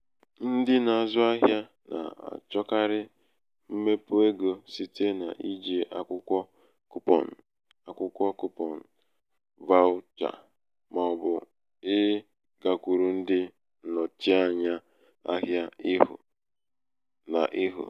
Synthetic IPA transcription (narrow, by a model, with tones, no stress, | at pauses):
n̩˦dɪ˦na˨a˨zʊ˦a˦ɦja˦ | na̰˨a̰˨t͡ʃɔ˦ka˦ɾɪ˦ | m̩˦me˦pʊ˦e˦ɡo˨si˦te˦na˨ʔi˦d͡ʒe˨ʔa˨kʷʊ˦kʷɔ˦ | kʊ˦pɔ̰˨n̩˨ | a˨kʷʊ˦kʷɔ˦kʊ˦pɔ˨n̩˨ | va˦ʊ˦t͡ʃa̰˨ | mɔ˨ɔ˨bʊ˨ | ɪ˦ | ɡa˨kʷu˨ɾu˨n̩˦dɪ˦ | nɔ˨t͡ʃi˦a˦ɲa˦ | a̰˦ɦja˦ɪ˦ɦʊ̰˨ | na̰˨ʔɪ˦ɦʊ̰˨